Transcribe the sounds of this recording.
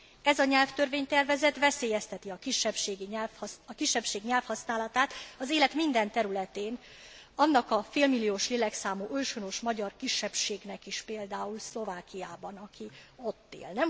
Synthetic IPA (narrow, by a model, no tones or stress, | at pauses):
ɛzɒɲɛlft̪ørveːɲt̪ɛrvɛzɛt̪vɛseːjɛst̪ɛt̪iɒkiʃːɛpʃeːɡiɲɛlfɒkiʃːɛpʃeːɡɲɛlfhɒsnaːlɒt̪aːt̪ɒzeːlɛt̪mind̪ɛnt̪ɛɾylɛt̪eːn | ɒnːɒkɒfeːlmilːijoːʃleːlɛksaːmoːølʃono̞ʃmɒɟɒrkiʃːɛpʃeːɡnɛkiʃpeːld̪aːulslo̞vaːkijaːbɒnɒkʰio̞t̪ːḛːlnɛm